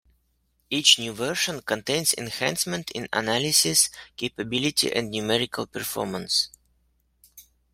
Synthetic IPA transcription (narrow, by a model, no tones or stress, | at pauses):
it͡ʃnjuvɜɹʃə̃nkə̃ntẽɪ̃nzɪ̰̃nhæ̃nsmə̃ntʰɪ̰̃nə̰nælɪsɪskʰeɪpəbɪlɪtʰḭʔɛ̰̃ndnumɛɹɪkʰəlˠpəɹfɔ̰ɹmə̃ns